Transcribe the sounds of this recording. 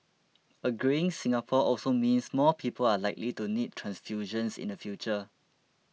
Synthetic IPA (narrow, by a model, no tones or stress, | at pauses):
əɡɹĩŋsĩŋapʰɔʔɔlsomĩnsmɔpʰipʰəlalaɪk̚litunid̚tʰɹãnsfjuʒə̃nsḭ̃nəfjut͡ʃə